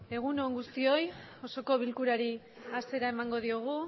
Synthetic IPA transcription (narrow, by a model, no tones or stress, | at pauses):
e̞ɣ̞uno̞ŋɡust̪io̞j | o̞so̞ko̞β̞ilkuɾaɾi | ase̞ɾaemaŋɡo̞ð̞ioɣ̞u